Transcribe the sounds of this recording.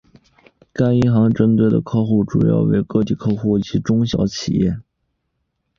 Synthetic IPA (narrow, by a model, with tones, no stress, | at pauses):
ka˥ɪi˥xɑ˧˥ŋʈ͡ʂə˥nt̪we˥˩ɪd̪ə̰˩kʰɤ˥˧xu˥˩ʈ͡ʂṵ˨˩jɑ̰˥˩ʊwe˧˥ɪkɤ˥˧t̪i˥˩kʰɤ˥˧xu˥˩˨t͡ɕi˧˥ʈ͡ʂʊ˥ŋɕjɑ̰˧˥ʊt͡ɕʰḭ˨˩jɛ̰˥˩